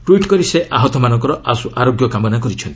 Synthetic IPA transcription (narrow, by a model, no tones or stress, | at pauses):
ʈwiʈkɔɾiseʔaɦɔt̪ɔmanɔŋkɔɾɔʔasuʔaɾoɡjɔkamɔnakɔɾit͡ʃʰɔnt̪i̥